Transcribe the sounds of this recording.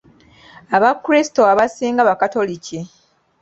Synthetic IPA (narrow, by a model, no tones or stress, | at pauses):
aβakːuɾisi̥to̞aβasiːŋɡaβakato̞lici